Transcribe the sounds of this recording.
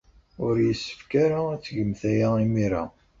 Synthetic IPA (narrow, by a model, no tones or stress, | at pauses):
ʊɾjəsːə̥fkaɾaæt͡sːʝəmθæjaimiɾa̰